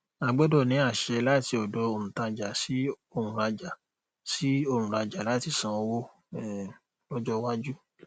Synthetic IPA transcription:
a˨ɡ͡bɔ˨˦dɔ˦˨nĩ˨˦a˦˨ʃɛ˧la˦ti˧ɔ˨dɔ˨˧o˨ɾũ˨tã˧d͡ʒa˨si˨˦ | o˦˨ɾũ˨ɾa˧d͡ʒa˨ | si˦o˦˨ũ˨ɾa˧d͡ʒa˨la˨˦ti˦˨sã˨˧˦wo˦ | ɛ˨ | lɔ˦d͡ʒɔ˦wa˦d͡ʒu˦

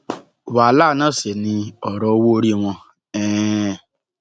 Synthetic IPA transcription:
wa˨˦la˦˨nãː˦˨se˨nĩ˧ɔ˨ɾɔ˧o˧wo˦o˧ɾi˦˨w̃ɔ̃˧ | ɛ˦˨

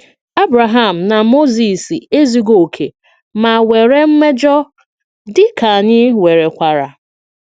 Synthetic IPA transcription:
a˦bɾa˨ɦa˦˨m̩˨na˨mo˦zi˨si˨e˦zi˨ɡo˨kʰḛ˨ | ma˨we˨ɾe˦m̩˦me˦d͡ʒɔ˦ | dɪ˦ka˨ɲɪ˦we˨ɾe˨kʷa˨ɾa˨

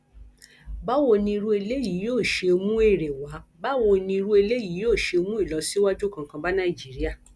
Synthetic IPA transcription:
ba˦wo˦˨nĩ˧i˧ɾu˧e˧le˦ji˨˦joː˦˨ʃe˧o˧mũ˦e˦˨ɾe˨wa˨˦ba˦wo˧˨nĩ˧i˧ɾu˧˦e˧le˦ji˨˦joː˦˨ʃe˧o˧mũ˦i˦˨lɔ˨˧˦si˦wa˦d͡ʒu˦kã˧ŋ˦kã˧ba˦nãː˦˨i˨d͡ʒi˨˦ɾi˦a˦˨

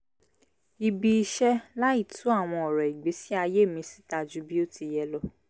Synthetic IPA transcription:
i˧bi˧i˧ʃɛ˦la˦i˦˨tʰu˨˦a˦˨w̃ɔ̃˧ɔ˨ɾɛ˨i˨ɡ͡be˨˦si˦a˧je˦˨mĩ˨˧si̥˦ta˧d͡ʒu˨˦bi˦o˦ti˧jɛ˧lɔ˦

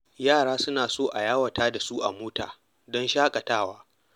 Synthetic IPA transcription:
jaː˦˨ɽaː˦sʊ˦naː˨soː˦˨ʔa˨jaː˦wɐ˨taː˦da˨su˦ʔa̰˨moː˦ta̰ː˨ | dɔ˦nʃaː˦kʼɐ˨taː˦waː˦

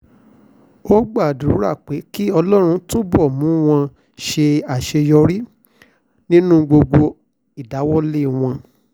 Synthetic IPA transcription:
o˦ɡ͡ba˦˨du˨ɾu˨˦ɾa̰˦˨k͡pe˨˦ki˦ɔ˧lɔ˦ɾ̃ũ˧to˦bɔ˦˨mũ˨˦w̃ɔ̃˧ | ʃe˧a˨ʃe˧jɔ˧ɾi˦ | nĩ˦nũ˦ɡ͡bo˧ɡ͡bo˧ | i˨da˨˦wɔ˦le˦˨w̃ɔ̃˧

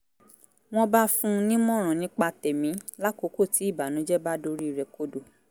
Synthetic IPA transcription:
w̃ɔ̃˧ba˦fũ˦nĩ˦mɔ̃˦˨ɾ̃ã˨nĩ˦k͡pa˧tɛ˨mĩ˨˦la˦ko˧˦ko˦˨ti˨˦i˦˨ba˨nũ˨˦d͡ʒɛ˦ba˦do˧ɾi˦i˨ɾɛ˧ko˦do˨

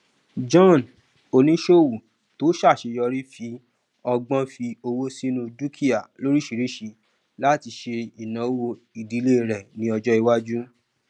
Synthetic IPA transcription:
d͡ʒɔ̃˦˨n | o˧nĩ˦ʃo˦˨wu˨ | to˨˦ʃa˦˨ʃe˧jɔ˧ɾi˦fi˧ | ɔ˧ɡ͡bɔ̃˦fi˧o˧wo˦si˦nũ˧d͡ʒu˦kʰi˦a˨lo˦ɾi˦ʃi˧ɾi˦ʃi˧ | la˦ti˧ʃe˧i˨nã˨˦wo˧ | i˨di˨˦le˦˨ɾɛ˨nĩ˨˦ɔ˧d͡ʒɔ˦i˧wa˦d͡ʒu˦

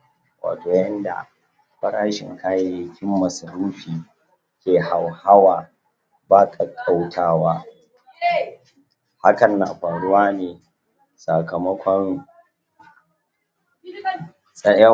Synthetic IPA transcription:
wa̰ː˨toː˨jɐ˦nda̰˨ | ɸɐ˦ɽaː˦ʃɪ̰˨ŋkʰaː˦je˦jɪ˨˦kʲɪ˦mːɐ˨sɐ˨ɾuː˦ɸiː˨ | kʲeː˨ha˨wha˦waː˨ | baː˦kʰʼa˨kʼa˦wtʰaː˦waː˦ | ha˦kɐ˨nːa̰ː˨ɸaː˨ɽʊ˦waː˦neː˨ | sa˨kɐ˨mɐ˦kʷɔ˦n | sʼɐ˦jɐ˦

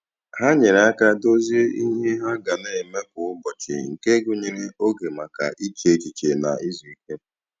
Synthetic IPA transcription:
ɦa˦ɲe˨ɾe˨a˦ka˦do˦zi˦e˦i˦ɦe˦ɦa˦ɡa˨ne˨me˦k̚ʊ˨ʊ˦bɔ˨t͡ʃɪ̰˨ŋ̩˨ke˦ɡʊ˦ɲe˨ɾe˦o˦ɡe˨ma˨ka̰˨ʔi˦t͡ʃe˨t͡ʃi˨t͡ʃe˨na̰˨i˦zɔ˨i˦ke˦

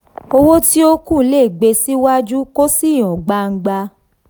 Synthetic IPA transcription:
o˧wo˦ti˦o˦kũ˦˨˦le˦˨ɡ͡be˧si˦wa˦d͡ʒu˦ko˦si˦˨j̃ɔ̃˨ɡ͡ba˧ŋ̩˧ɡ͡ba˧

